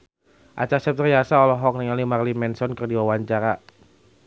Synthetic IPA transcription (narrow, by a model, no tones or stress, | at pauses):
ʔa̰t͡ʃasɛp̚t̪rijasaɔlɔɦɔk̚niŋalimarlimɛnsɔnkərdiwawaɲt͡ʃaɾa